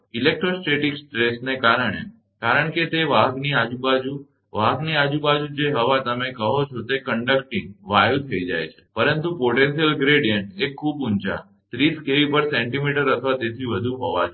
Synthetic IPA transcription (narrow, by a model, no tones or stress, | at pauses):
ilek̚ʈɾosʈeʈiksʈɾesnekaɾəɳ̃ḛ | kaɾəɳket̪eʋaɡniad͡ʒũbad͡ʒu | ʋaɡniad͡ʒubad͡ʒud͡ʒeɦəʋat̪əmekəɦot͡ʃʰot̪ekəɳɖək̚ʈĩŋɡʋajəlt̪ʰəid͡ʒa̰jt͡ʃʰe̥pəɾənt̪upoʈẽnsijəlɡɾeɽijəɳʈekʰːubunt͡ʃa̰ | t̪ɾiskeʋipəɾsẽɳʈimiʈəɾət̪ʰəʋat̪et̪ʰiʋəd̪ʱuɦoʋa̰t͡ʃʰo